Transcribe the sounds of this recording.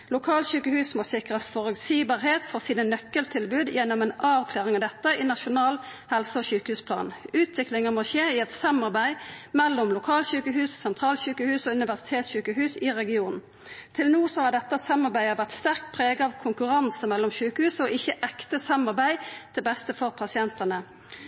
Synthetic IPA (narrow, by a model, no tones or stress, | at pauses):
lʊkʰɑːlɕʉːkəhʉːsmoːsɪkʁəsfɔʁʉt̪siːbɑːʁheːt̪fɔʁsiːnənœkːəlt̪ʰɪlbʉːd̪jɛnːɔmɛnɑːʋkʰlæːʁɪŋɑd̪ɛt̪ːəɪnɑʃʊnɑːlhɛlsəoːçʉːkəhʉːspʰlɑ̰ːnʉːt̪ʰʋɪklɪŋəmoːçeːɪɛt̪sɑmɑʁbæɪmɛlːɔmlʊkʰɑːlɕʉːkəɦʉːssɛnt̪ʰʁɑːlçʉːkəhʉːsɔʉnɪʋæʁsɪt̪ʰeːt̪sçʉːkəhʉːsɪʁɛɡɪuːnn̩ | t̪ʰɪlnuːsɔhɑd̪ɛt̪ːəsɑmːɑʁbæɪəʋæʁt̪st̪æʁkpʰʁeːɡəɑʋkʰʊŋkʉʁɑnsəmɛlːɔmçʉːkəhʉːsɔʔɪçːəʔɛkt̪əsɑmːɑʁbæɪd̪̥ɛbɛst̪əfɔʁpʰɑsɪɛnt̪ənə